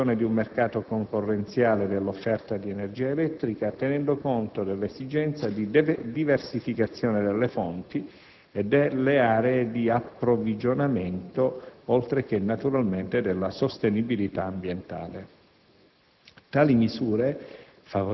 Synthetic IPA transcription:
oːned̪iumːerkaːt̪okoŋkorːent̪sjaːled̪elːofːɛrt̪ad̪ienerd͡ʒiːaelɛt̪ːɾikat̪enɛnd̪okont̪od̪elːezid͡ʒɛnt̪sad̪id̪iversifikat̪sːjoːned̪elːefont̪i | ed̪ːelːeaːɾeːd̪iapːɾovid͡ʒonament̪oɔlt̪ɾek̟enːat̪uɾalment̪ed̪elːasost̪enibilit̪aːmbjent̪a̰ːle | t̪aːlimizuːɾe | favo

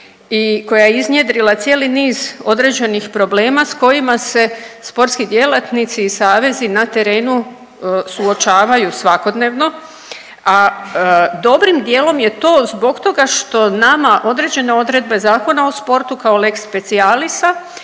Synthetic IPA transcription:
iko̞jajeiznjed̪ɾilˠat̪sjeːliniːzo̞d̪ɾe̞ːd͡ʑe̞nixpɾo̞ble̞ːmasko̞jimase̞spo̞ɾt̪skid̪je̞lat̪nit̪siːsaːʋe̞zinat̪e̞ɾe̞ːnu | suo̞t͡ʃaːʋajusʋako̞d̪ne̞ːʋno̞ | a | d̪o̞bɾimd̪je̞ːlo̞mje̞t̪o̞ːzbo̞ɡt̪o̞ɡaʃt̪o̞namaʔo̞d̪ɾe̞ːd͡ʑe̞ne̞o̞d̪ɾe̞d̪̚be̞zaːko̞naospo̞ɾt̪ukaole̞kspe̞t̪sialist̪a

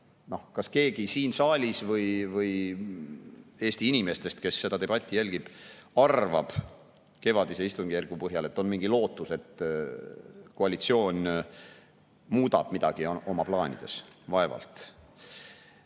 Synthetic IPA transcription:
no̞hkɑske̞ːɡisiːnsɑːlʲisvɤjvɤj | e̞ːst̪iinʲime̞st̪e̞st̪ke̞sːe̞d̪̥ɑt̪e̞b̥ɑt̪ʲːˑijælʲɡ̥ib̥ɑrvɑ̰b̥ | ke̞vɑd̪̥ise̞ist̪uŋɡijærɡ̥upɤɦjɑle̞t̪ːˑo̞nmiŋɡ̥ilo̞ːt̪ːˑuse̞t̪ː | koɑlit̪sio̞ːn | muːd̪ɑ̰b̥mid̪̥ɑɡ̥io̞mɑplɑːnʲḭd̪̥e̞̰svɑe̞vɑ̰lt̪

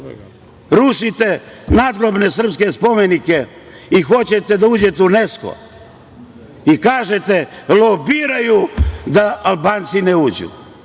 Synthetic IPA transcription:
ɾuʃit̪e | naːd̪ɡɾobne̞s̬r̩pskespo̞menike | ixo̞t͡ɕet̪ed̪auːd͡ʑet̪unesko̰ | ikaːʒet̪elˠobiːɾajud̪aʔalˠbaːnt̪sineuːd͡ʑṵ

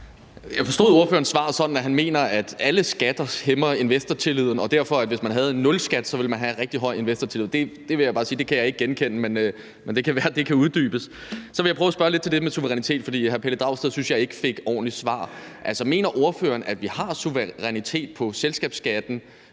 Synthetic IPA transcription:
jɑ̈ɪfɒ̽sd̥o̝̰ðˠo̝ɐfø̰ɐnsʋɑ̰̈ːsɒ̽d̥n̩æɦænme̝̰ːnɐæd̥æləsɡ̥æd̥ɐhemɐe̝nʋesd̥ɐt͡sʰe̝liðˠn̩ɒ̽d̥æɐfɒ̽æd̥ʋe̝smænɦæð̞̩ˠnːɔ̽lsɡ̥æd̥sɒ̽ʋe̝lmænɦæʁɛɡ̥̚d̥iɦɒ̽ɪ̰e̝nʋesd̥ɐt͡sʰe̝lḭð̩̰ˠd̥e̝d̥e̝ʋe̝jäb̥ɑ̈ːsiːd̥e̝kʰæjɑ̈ɪe̝ɡ̥̚ɡ̥enkʰenəmenø | mend̥e̝kʰæʋæːɐd̥e̝kʰæuð̞ˠd̥y̰ːb̥əssɒʋeljɑ̈pʰʁœːʊæsb̥ɶɐle̝d̥̚t͡sʰeld̥e̥emesuʋəʁɛnit͡sʰe̝̰ːd̥fɒ̽d̥ḭːɦæɐpʰeləd̥ʁɑ̈ʊ̰sd̥eðˠsynsjɑ̈ɪe̝ɡ̥əfe̝ɡ̥ɒ̰ːnlisʋɑ̰̈ːʔælsɒ̽me̝̰ːnɐʔo̝ɐfø̰ːɐnæd̥ʋihɑ̈suʋəʁɛnit͡sʰe̝̰ːd̥̚pʰɒ̽selsɡ̥ɛ̰ːb̥sɡ̥æd̥n̩

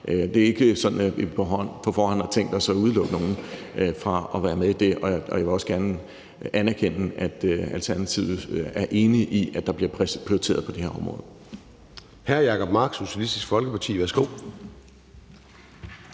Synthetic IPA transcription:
ʔd̥e̝æe̝ɡ̥əsɒ̥̽n̩ipʰɒɦɒn̰fɒfɒ̰ːhænɑt͡sʰeŋ̰d̥ɒsɒ̽uðˠlɔ̽ɡ̥əno̝ːn̩ | fʁɑ̈ɒ̽ʋæːɐmeðˠid̥e̝ʔɒ̽ɒ̽jaʋe̝ɒ̽sɡ̥æɐnə | ʔænæɐkʰen̰æd̥ælt͡sʰæɐnæt͡sʰiʊ̰æɐʔe̝ːniʔiʔæd̥ɑ̈b̥liɐpʰpʰʁ̥ioit͡sʰe̝̰ɐð̞ˠpʰɒ̽d̥eheɐɒ̽mʁɔ̰ːð̩ˠ | hæɐjɑ̈kʰɒ̽b̥mɑ̈ːɡ̥so̝ɕælisd̥isɡ̥fɒ̽lɡ̥əpʰɑ̈t͡sʰḭːʋæɐsɡ̥o̝̰ː

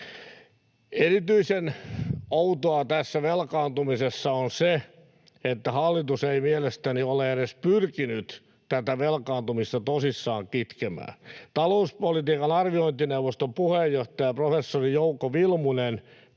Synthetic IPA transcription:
erit̪yisenout̪oɑt̪æsːæʋelkɑːnt̪umisesːɑonse | et̪ːæhɑlːit̪useimielest̪ænioleeɾespyrkinyt̪ | t̪æt̪æʋelkɑːnt̪umist̪ɑt̪osisːɑːŋkit̪kemæ̰ːt̪ɑlouspolit̪iːkɑnɑrʋioint̪inewʋost̪ompuhejːoht̪ɑjɑprofesːorijoukːoʋilmunen

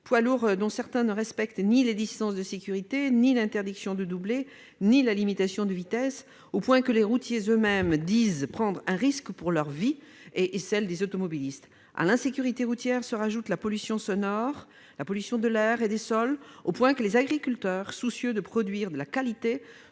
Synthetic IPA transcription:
pwaluʁd̪ɔ̃sɛʁt̪ɛ̃nəʁɛspɛkt̪niled̪ist̪ɑ̃sd̪əsekʲyʁit̪enilɛ̃t̪ɛʁd̪iksjɔ̃d̪əd̪uble | nilalimit̪asjɔ̃d̪əvit̪ɛs | opwɛ̃kəleʁut̪jezømɛmd̪izpχɑ̃d̪ʁɛ̃ʁiskpuʁlœʁvi | eʔːsɛld̪ezot̪ɔmɔbilist̪ | a̰lɛ̃sekʲyʁit̪eʁut̪jɛʁsəʁaʒut̪lapɔlysjɔ̃sɔnɔʁ | lapɔlysjɔ̃d̪əlɛʁed̪esɔlopwɛ̃kəlezaɡʁikʲylt̪œʁsusjød̪əpχɔd̪ɥiʁd̪əlakalit̪e

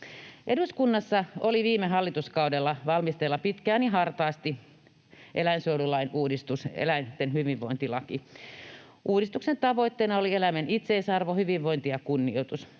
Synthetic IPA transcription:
ʔeduskunːɑsːɑoliʋiːmeɦɑlːit̪uskɑudelːɑʋɑlmist̪elːɑpit̪kæːniɦɑrt̪ɑːst̪i | ʔelæinsoululɑinuːdist̪usḛlæint̪enhyʋiʋʋoint̪ilɑki | ʔuːdist̪uksent̪ɑʋoit̪ːeːnɑolielæmænit̪seisɑrʋohyʋiʋʋoint̪ijɑkunːiot̪us

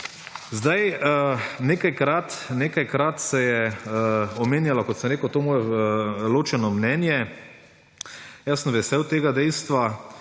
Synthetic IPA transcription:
zd̪aj | neːkajkɾat̪neːkajkɾat̪sɛjɛ | ɔmeːnʲjalakɔt̪səmɾeːkəwt̪oːmoːjɛloːt͡ʃɛnɔmnɛnjɛ | jasənmʋɛsɛwt̪eːɡad̪ɛjst̪ʋa

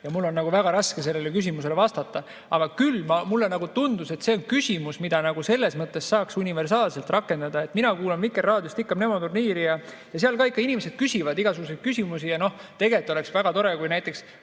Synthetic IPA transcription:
jɑmulːo̞nːnɑɡuvæɡ̥ɑɾɑske̞s̬e̞lːe̞lekys̬ʲimus̬e̞le̞vɑst̪ɑt̪ːˑɑ | ɑɡ̥ɑkylːmɑmulːenɑɡut̪und̪use̞t̪se̞onkysʲimusmid̪̥ɑnɑɡuse̞lːe̞smɤt̪ːˑe̞sːɑːksunʲive̞rsɑːlse̞lt̪rɑkːˑe̞nd̪ɑd̪̥ɑe̞t̪ˑminɑkuːlɑnvikːˑerːɑːd̪just̪ikːɑmnemo̞t̪urniːɾijɑ | jɑseɑlkɑːikːˑɑinimese̞d̪̥kysʲivɑd̪iɡ̥ɑsuɡ̥usejd̪̥kysʲimusijɑno̞ht̪e̞ɡet̪ːˑo̞le̞ksvæɡ̥ɑt̪o̞ɾekujnæjt̪ːˑe̞ks

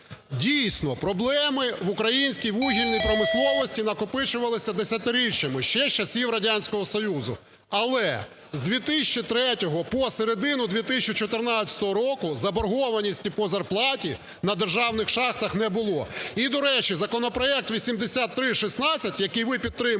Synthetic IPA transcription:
dʲijsʲnɔpɾɔblˠɛmɪʋʊkɾɐjinʲsʲkʲijʋuɦʲilʲnʲijpɾɔmɪslˠɔʋɔsʲtʲinɐkɔpɪt͡ʃʊʋɐlˠɪsʲɐd̪esʲɐt̪ɪɾʲiʃɐmɪʃt͡ʃɛʃt͡ʃɐsʲiwɾɐdʲanʲsʲkɔɦɔsɔjuzʊ̰ | ɐlˠɛ | zd̪ʲʋʲit̪ɪsʲt͡ʃit̪ɾɛtʲɔɦɔpɔseɾed̪ɪnʊd̪ʲʋʲit̪ɪsʲt͡ʃit͡ʃɔt̪ɪrnɑt͡sʲɐ̥t̪ɔɦɔɾɔkʊzɐbɐrɦɔʋɐnʲisʲtʲipɔzɐrplˠɑtʲi | nɐd̪erʒɑwnɪxʃɑxt̪ɐxn̪ɛbʊlˠɔid̪ɔɾɛt͡ʃizɐkɔnɔpɾɔɛk̚t̪ʋʲisʲimd̪esʲat̪ːɾɪʃisnɑt͡sʲɐtʲjɐkɪjʋɪpʲit̪ːɾɪm

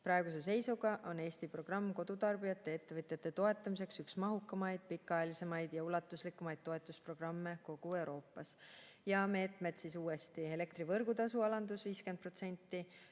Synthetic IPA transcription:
prɑe̞ɡ̥us̬e̞s̬e̞jsuɡ̥ɑʔo̞ne̞ːst̪ipro̞ɡ̥rɑmːko̞d̪̥ut̪ɑrbijɑt̪ːe̞et̪ːe̞vɤt̪ˑjɑt̪ːˑe̞t̪o̞e̞t̪ˑːɑmis̬e̞ksyksmɑɦukːˑɑmɑjd̪̥̚pikːˑɑjɑlise̞mɑjd̪̥jɑulɑt̪ːˑuslikːˑumɑjd̪̥̚t̪ːo̞e̞t̪ːˑuspro̞ɡ̥rɑmːe̞ko̞ɡ̥ue̞wɾo̞ːpːˑɑs | jɑme̞ːt̪ˑme̞d̪̥sisuːe̞st̪ie̞le̞kt̪ɾivɤrɡ̥ut̪ɑsuɑlɑnd̪usviːske̞nd̪̚pro̞t̪se̞nʲt̪ːˑi

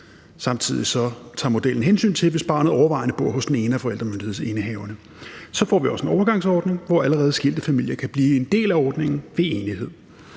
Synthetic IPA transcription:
sɑ̈mt͡sʰið̞̰ˠisɒ̽t͡sʰɑ̈ːmo̝d̥el̰n̩ɦensy̰ːnt͡sʰe̝ʋe̝sb̥ɑ̈ːnəð̩ˠɒʊɐʋɑ̈ɪ̰nəb̥o̝ɐ̰ɦɔ̽sd̥ene̝ːnəæfɒ̽el̰d̥ʁɐmønd̥ihe̝ð̰ˠe̝nəɦɛʊɐnə | sɒ̽fɒ̰ːʋiɒ̽səe̝nɒʊɐɡ̥ɑ̈ŋsɒːd̥ne̝ŋʋɒæləʁɛːð̩ˠsɡ̥il̰d̥əfæmil̰jɐkʰæb̥liːe̝nd̥e̝̰ːlæɒːd̥ne̝ŋn̩ʋe̝eːnihe̝ð̰ˠ

